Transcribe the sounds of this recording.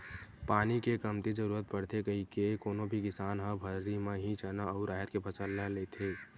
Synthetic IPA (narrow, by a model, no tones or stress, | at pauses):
paːnikekəmt̪id͡ʒəɾuːɾət̪̚pəɽt̪ʰekəɦikekoːnobʱikɪsaːnɦəbʱəɾimẽɦĩt͡ʃənaəʊɾaːɦət̪kepʰəsəlːalet̪ʰe